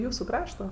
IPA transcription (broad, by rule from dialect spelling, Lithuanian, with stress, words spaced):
ˈjuːsʊ ˈkrɑːʃtoː